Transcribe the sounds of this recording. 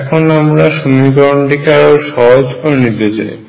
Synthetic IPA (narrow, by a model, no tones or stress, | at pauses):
ɛkʰonamɾaʃunikɔɳɖikaɾoʃɔɦod͡ʑkoɾnit̪et͡ɕa̰j